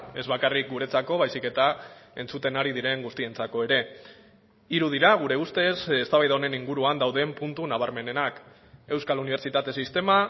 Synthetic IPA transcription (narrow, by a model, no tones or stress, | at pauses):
e̞zβakarik̚ɡuɾe̞t͡sako̞β̞ajsike̞t̪ae̞nt͡sut̪e̞naɾið̞iɾe̞ŋɡust̪ie̞nt͡sako̞e̞ɾe̞ | iɾuð̞iɾaɣ̞uɾe̞ust̪e̞sest̪aβajðaone̞niŋɡuɾuand̪awðe̞mpunt̪unaβ̞aɾme̞ne̞nak | e̞wskaluniβ̞e̞ɾt͡ʃit̪at̪e̞sist̪e̞ma